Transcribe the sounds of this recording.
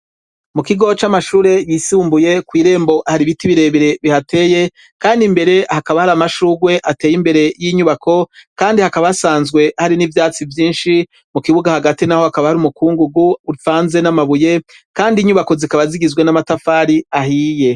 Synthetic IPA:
mukiɡo̞t͡ʃamaʃuːɾe̞jisuːmbuje̞kwiːɾe̞ːmbo̞ʔahaɾiβitiβiɾe̞βiɾe̞βihate̞ːje̞ | kaːndimbe̞ɾe̞hakaβahaɾamaʃuːɡwe̞ʔatejimbe̞ɾe̞jiɲuβakʰo̞kaːndihakaβasaːnzɡwe̞haɾinivjaːt͡sivjiːnʃi | mukiβuɡahaɡatinaho̞hakaβahaɾumukuːŋɡuɡuuɾifaːnze̞namaβuje̞ | kaːndiɲuβako̞zikaβaziɡizɡwe̞namatafaːɾiaɦiːje̞

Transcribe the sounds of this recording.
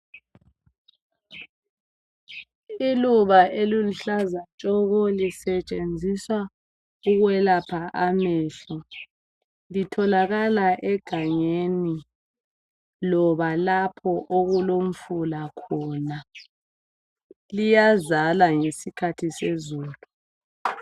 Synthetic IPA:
iluβaʔeliluɬazat͡ʃʼɔɣɔlisɛt͡ʃʼend͡zʱiswa | uɣwɛlapʰaʔamɛɬɔ | litʰɔlaɣalaʔɛɡ̥ʱaɲeni | lɔβalapʰɔʔoɣulom̩fulakʰɔna | lijazalaŋesikʰatʰisezuːlu

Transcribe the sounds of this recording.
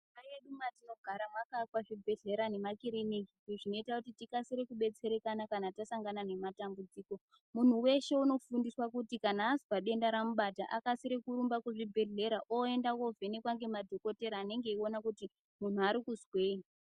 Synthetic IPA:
ajeɗumatino̞ɡʱaɾamwakakwaʐibʱe̞ɮe̞ɾane̞makiɾinikiʐino̞itakutitikasiɾekuɓe̞t͡se̞ɾe̞kanakanatasaŋɡanane̞matambud͡ziːko̞ | mun̤uwe̞ʃe̞uno̞fundiswakutikanaːzi̥paɗe̞ndaɾamuɓataʔakasiɾekuɾumbakuʐibʱe̞ɮe̞ɾaʔoe̞ndakovʱenekwaŋɡe̞madʱo̞ko̞te̞ɾaːne̞ŋɡe̞io̞nakuti | mun̤uaɾikuzweːi

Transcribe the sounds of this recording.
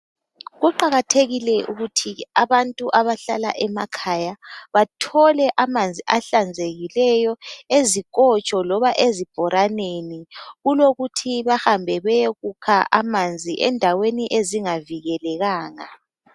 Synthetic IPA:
ɣuǃaɣatʰeɣilɛʔuɣutʰiaβantʼuʔaβaɬala̰ʔɛmakʰajaβatʰɔlɛʔamand͡zʱiʔaɬand͡zʱeɣilɛjɔezik̬ʼɔt͡ʃʼɔlɔβaʔezib̥ʱɔɾʔaneniɣuloɣutʰiβaxambʱɛβɛɣukʰaʔamand͡zʱiʔɛ̰ndʱaweniʔeziŋaviɣɛlɛɣaːŋa̰

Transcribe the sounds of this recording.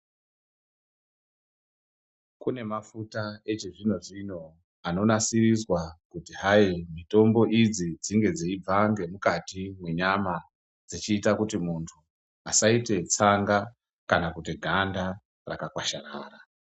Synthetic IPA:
kune̞mafutae̞t͡ʃeʐino̞ʐino̞ | ano̞nasirizwakutiɦaimito̞mbo̞ʔid͡zid͡ziŋɡe̞d͡zeib͡vaŋɡe̞mukatimwe̞ɲama | d͡zit͡ʃiːtakutimuntʰu | asaite̞t͡saŋɡa | kanakutiɡʱanda | rakakwaʃara̰ːra

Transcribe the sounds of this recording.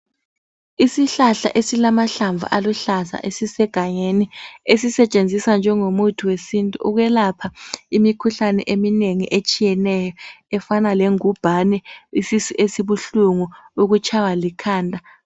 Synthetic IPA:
isiɬaɬa̰ʔesilamaɬaɱvʱṵʔaluɬasa̰ʔesisɛɡ̥ʱaɲeniesisɛt͡ʃʼend͡zʱisand͡ʒʱɛŋomutʰuwesintʼuʔuɣɛlapʰaimikʰuɬanɛ̰ʔemineŋiʔet͡ʃʼijɛnɛjɔɛfanaleŋub̥ʱanɛisisuʔesiβuɬuŋuuɣut͡ʃʰʼawalikʰaːndʱa

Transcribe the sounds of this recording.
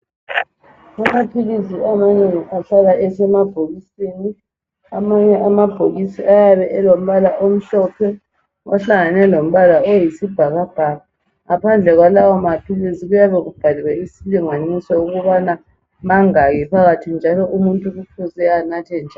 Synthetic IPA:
amapʰiɣiziamaɲɛɣukʰaɬalaɛsɛmab̥ʱoɣiseni | amaɲɛʔamab̥ʱoɣisiʔajaβɛʔɛlom̩βalaʔom̩ɬɔpʰɛ | ʔaɬaŋanɛlom̩βalaojisib̥ʱaɣab̥ʱaɣa | ŋapʰand͡ɮʱɛɣwalawɔmapʰiliziɣujaβɛɣub̥ʱaliwɛisiliŋanisɔuɣuβana | maŋaɣipʰaɣatʰind͡ʒʱalɔʔumuntʼuɣukʰuzɛanatʰɛnd͡ʒʱa

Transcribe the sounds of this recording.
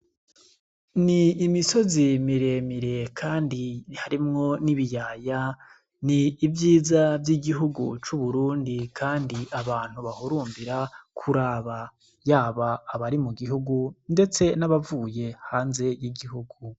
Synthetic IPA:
niːmiso̞zimiɾe̞miɾe̞kʰaːndihaɾimŋo̞niβijaːja | niːvjiːzavjiɡiɦuɡṵt͡ʃuβuɾuːndikʰaːndiʔaβaːn̥huβahuɾuːmbiɾakʰuɾaːβa | jaːβaːβaɾimuɡiɦuɡunde̞t͡se̞naβavuːje̞haːnze̞jiɡiɦuɡu

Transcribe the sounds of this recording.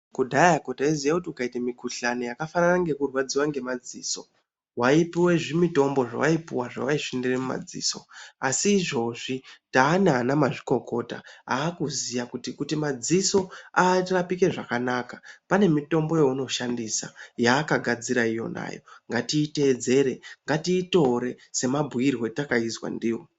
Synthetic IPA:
kudʱaakotaizijakutiukaitamikuɬanojakafananaŋɡe̞kurwad͡ziwaŋɡe̞mad͡zḭːso̞ | waipiwe̞ʐimito̞mbo̞ʐa̰waipiwaʐa̰waiʐinderemuma̰d͡zḭːso̞̰asiːʐo̞ʐitaːnanamaʐiko̞ko̞ta̰aːkuzijakutikutimad͡ziso̞arapike̞ʐakanakḁpane̞mito̞mbo̞jeuno̞ʃandisa̰jaːkaɡʱad͡ziɾaijo̞̰na̰jo̞̰ŋɡatiːte̞ːd͡ze̞ɾe̞ŋɡatiːto̞ɾe̞se̞mabʱuirwo̞takaizwa̰ndiːwo

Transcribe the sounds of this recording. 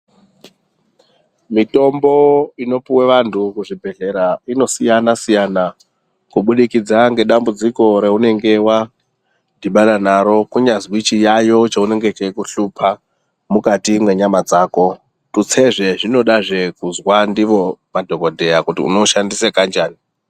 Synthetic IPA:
mito̞mboino̞puweʋantʰukuʐibʱe̞ɮe̞ɾaino̞sijanasijana | kuɓuɗikid͡zaŋɡe̞ɗambud͡ziko̞ɾe̞une̞ŋɡe̞wa | diɓaɗanaɾo̞kuɲazwit͡ʃijajo̞t͡ʃaune̞ŋɡe̞t͡ʃeikuɬupʰa | mukatimwe̞ɲamad͡zaːko̞ | tut͡se̞ʐe̞ʐino̞ɗaʐe̞kuzwandiʋo̞madʱo̞ɡo̞dʱe̞jakutḭṵno̞ʃandisekand͡ʒaːni

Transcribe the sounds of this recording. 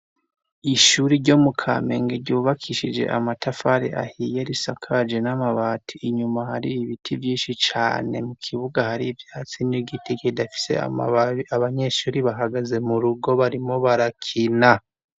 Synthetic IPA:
iʃuːɾiɾɟo̞mukʰa̰me̞̰ːŋɡeɾɟuːβakʰiʃid͡ʒe̞̰ʔa̰matafaɾḛʔa̰hije̞ɾisakʰad͡ʒenamaβaːtʰiʔiɲumahaɾiβiβitʰivjiːnʃit͡ʃa̰ːne̞mukʰiβuɡahaɾivjaːt͡siniɡitikedafi̥se̞̰a̰aβaɲe̞ʃuːɾiβaɦaɡaze̞muɾuɡo̞βaɾimo̞βaɾakʰina

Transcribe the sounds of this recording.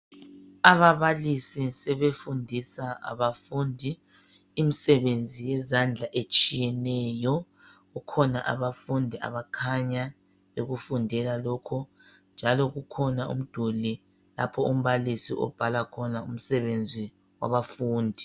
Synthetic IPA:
aβaβalisisɛβefundʱisaa̰βafundʱi | imisɛβend͡zʱijɛzand͡ɮʱaʔet͡ʃʼijɛnɛjɔ | ɣukʰɔnaʔa̰βafundʱiʔa̰βakʰaɲa | oɣufundʱɛlalɔkʰɔ | nd͡ʒʱalɔɣukʰɔnaṵm̩d̥ʱuli | la̰pʰɔum̩βalisiʔɔ̰b̥ʱalakʰɔnaum̩sɛβend͡zʱi | wa̰βafuːndʱi

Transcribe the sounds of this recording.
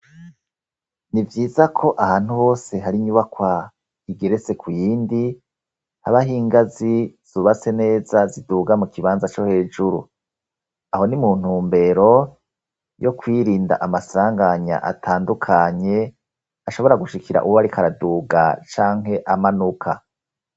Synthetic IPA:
nivjiːzakʰo̞ʔahaːn̥huho̞ːse̞ɦaɾiɲuβakwa | iɡeɾe̞se̞kʰujiːndi | haβaɦiːŋɡaziz̥uβase̞ne̞ːzaziduːɡamukʰiβaːnzat͡ʃo̞he̞ːd͡ʒuɾṵ | aho̞nimun̥uːmbe̞ɾo̞ | jo̞kwiːɾiːnda̰ʔamasaːŋɡaɲa̰ʔa̰tʰaːndukʰaɲe̞ | aʃo̞βo̞ɾaɡuʃikiɾa̰ʔṵwoβaɾikʰaɾaduːɡa̰t͡ʃaːŋɦe̞ʔamanukʰa̰

